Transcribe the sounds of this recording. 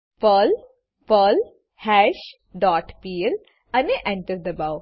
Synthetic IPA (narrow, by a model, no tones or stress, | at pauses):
pəl | pəl | hɛʃ | ɖɔːʈpiːl | ãneʔɛ̃ɳʈəɾd̪əbaʊ